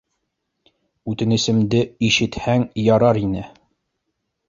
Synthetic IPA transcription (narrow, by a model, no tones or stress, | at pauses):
ʉt̪ɘ̆nɘ̆sɘ̆md̪ɘiʃɘ̆t̪hæŋjɒɾɑɾinɘ